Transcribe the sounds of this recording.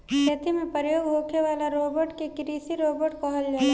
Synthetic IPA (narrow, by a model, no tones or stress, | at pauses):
t̪et̪ʰimẽpɾjoːɡɦoːkʰeʋaːlaɾoːbəɾʈkekɾiːsiɾoːbəɾʈkɔɦəld͡ʒaːe